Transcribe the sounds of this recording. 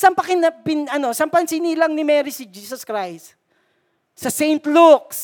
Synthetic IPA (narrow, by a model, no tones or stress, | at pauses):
sɐmpɐkɪnɐpɪnɐno̞sɐmpɐnsiniːlɐŋnɪmɛːɾisɪd͡ʒiːsɐskɾajst̪ | sɐsɛjnt̪luk̚s